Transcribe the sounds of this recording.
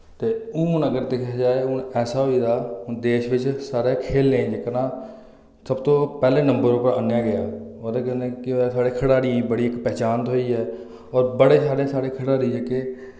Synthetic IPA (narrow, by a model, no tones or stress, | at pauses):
t̪eːʊ̃ːʊnəɡəɾd̪eːkʰaːd͡ʒaːeːʊnɛːsaːɦoiːd̪aːd̪eːʃʋɪt͡ʃsaːɾeːkʰeːlnẽːd͡ʒeknãː | səbt̪õːpɛːlẽːnəmbəɾopəɾə̰nːjaːɡɪjaːoːd̪eːkɛneːkɪsaːɽeːkʰəɽaːɾĩːbəɽiːɪkːpɛːt͡ʃaːnt̪ɦoːiːɦɛː | ɔːɾbəɽeːsaːɽeːsaːɽeːkʰəɽaːɾiːd͡ʒeːkeː